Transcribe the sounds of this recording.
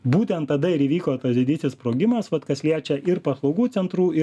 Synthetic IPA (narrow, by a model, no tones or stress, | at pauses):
buːt̪ʲɛnt̪ːɐd̪ɐɪɾiːʋʲiːkoːt̪ɐsd̪ʲɪd̪ʲisʲɪspɾoːɡʲɪmɐsʋɐt̪kɐsʲlʲiɛt͡ʃʲɛʔɪɾpɐslˠɒʊɡuːtt͡s̪ʲɛnt̪ɾuːɪ